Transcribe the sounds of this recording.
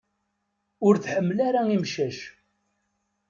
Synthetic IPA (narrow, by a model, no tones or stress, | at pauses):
ʊɾθħəmːlaɾaimʃæʃ